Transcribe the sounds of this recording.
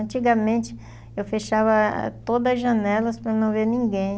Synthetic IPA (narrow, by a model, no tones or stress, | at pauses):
ɐ̃nt͡ʃiɡɐmẽnt͡ʃɪ̥ | ewfeʃavɐ̰t̪od̪ɐzʒɐnɛlɐspɾɐnɐ̃w̃veɾnĩɡẽj̃